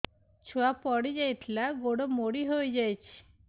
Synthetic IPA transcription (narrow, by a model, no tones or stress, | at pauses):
t͡ʃʰuapɔɽid͡ʒajt̪ʰlaɡoɽɔmoɽiɦojd͡ʒajt͡ʃʰi̥